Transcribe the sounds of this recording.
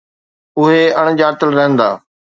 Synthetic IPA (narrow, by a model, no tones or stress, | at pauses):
ʊɦeɐɽ̃d͡ʑaːɾt̪əlɾɐɦə̃nd̪aː